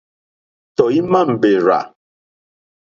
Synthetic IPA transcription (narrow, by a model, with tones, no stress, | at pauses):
tɔ˨i˦ma˦˨m̩˨be˨ɾa̰˨